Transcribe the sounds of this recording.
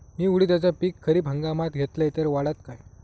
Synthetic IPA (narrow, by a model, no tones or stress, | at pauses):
miːuɽiːt̪jat͡sapiːkʰːəɾiːbʱəŋɡamat̪ɡʱet̪ləjt̪eɾʋaɽat̪kaj